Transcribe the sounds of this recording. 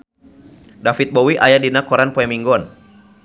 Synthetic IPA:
dafit̪̚bɔwiʔajadinakɔɾanpɔɛmiŋɡɔn

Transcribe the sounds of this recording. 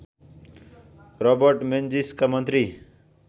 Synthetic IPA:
rʌbʌɾʈmend͡ziskamʌnt̪ɾi

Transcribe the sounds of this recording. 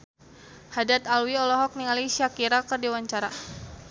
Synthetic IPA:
hadat̪alwiɔlɔɦɔk̚niŋalisiakiɾakərdiwaɲt͡ʃaɾa

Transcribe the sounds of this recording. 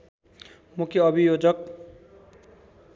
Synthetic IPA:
mukʰjʌʌbʱijod͡zʌk

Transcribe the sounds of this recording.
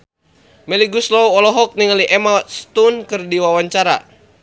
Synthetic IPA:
mɛliɡuslɔwɔlɔɦɔk̚niŋaliʔɛmast̪unkɨrdiwawaɲt͡ʃaɾa̰

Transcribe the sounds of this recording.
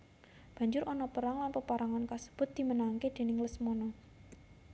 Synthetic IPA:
b̥ä̤ɲd͡ʒʊɾʔɔnɔpəɾaŋlanpəpaɾaŋankasə̥b̥ʊ̤t̪̚d̪̥i̤mənaŋked̪̥e̤nɪŋləsmɔnɔ

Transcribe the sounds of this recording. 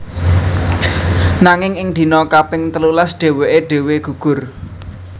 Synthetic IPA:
naŋɪŋɪŋd̪̥i̤nɔkabɪŋt̪əlulasɖ̪̥e̤weʔeɖ̥e̤weɡ̥ṳɡ̥ʊ̤r

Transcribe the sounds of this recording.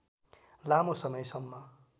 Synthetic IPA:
lamosʌmʌjsʌmːʌ

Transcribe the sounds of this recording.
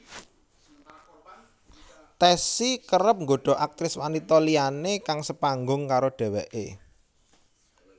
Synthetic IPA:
t̪ɛsikəɾəp̚ŋɡoɖ̥ɔ̤ʔak̚t̪ɾɪswanit̪ɔlianekaŋsəpaŋɡʊŋkaɾoɖ̥ɛ̤wɛʔḛ

